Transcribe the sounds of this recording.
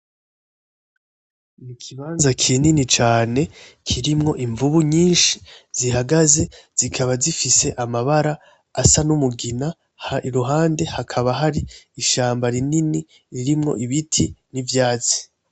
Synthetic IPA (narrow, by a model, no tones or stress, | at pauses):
nikʰiβaːnzakʰininit͡ʃaːne̞kʰiɾimŋo̞ʔiɱvuβuɲiːnʃi̥z̥iɦaɡaze̞z̥ikʰaβazifise̞ʔamaβaɾaː | sanumuɡina | hiɾuɦaːnde̞hakʰaβaɦaɾiːʃaːmbaɾininiː | ɾimŋo̞̰ʔiβitʰinivjaːzi̥